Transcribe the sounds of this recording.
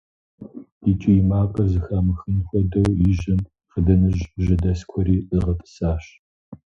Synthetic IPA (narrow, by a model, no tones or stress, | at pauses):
it͡ʃʼɪjɪmaːqʼɐrzɨxaːmɨxɨnxʷɔdɐwjɪʒɪm | qədɐnɨʑʒɐdɐskʷʰɔɾiːʔəʁɐpʼɨ̥saːɕ